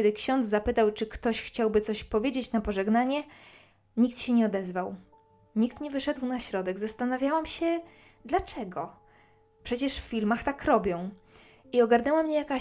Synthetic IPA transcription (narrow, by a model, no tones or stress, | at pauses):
ɛd̪ɘkɕɔnd̪zzapɘt̪awt͡ʂɘkt̪ɔɕxt͡ɕawbɘt̪sɔɕpɔvʲjed͡ʑet͡ɕnapɔʐɛɡnaɲɛ | ɲik̚t̪ɕɛɲɛɔd̪ɛzvaw | ɲikt̪ɲɛvɘʂɛd̪wnaɕɾɔd̪ɛɡzast̪anavʲjawamɕɛ | d̪lat͡ʂɛɡɔ | pʂɛt͡ɕɛʂffʲilmaxt̪akɾɔbʲjɔ̃w̃ | iɔɡaɾnɛwamɲɛjaka